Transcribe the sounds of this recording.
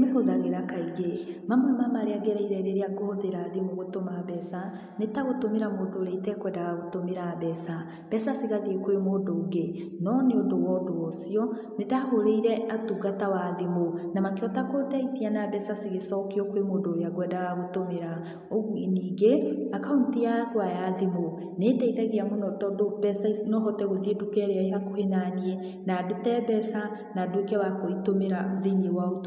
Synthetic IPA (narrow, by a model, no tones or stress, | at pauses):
mehoðaɣeɾakaiɣemamamamaɾeaɡɛɾɛiɾɛɾeɾeakohoðeɾaːðimoɣotomaβɛsa | netaɣotomeɾamodoɾɛitɛkwɛndaɣaɣotomeɾaβɛsa | b̥ɛsaseɣaðekoemoːdoːɡe | nɔneondowɔdowɔsiɔ | netahoɾeiɾɛatuɣatawaðimonamakeɔtakodaitianabɛsasiɣesɔkeɔkwemodoɾjaɣwɛdaɣaɣotomeɾa | oniːɡeakaountiaɣwajaðimo | nedaiðɛɣiamonɔtɔdob̥ɛsanɔɦɔtɛɣoðiedukɛɾeaeɦakohenaniɛ | nadotɛbɛsa | nadoekɛwakoitomeɾaðeɲewaot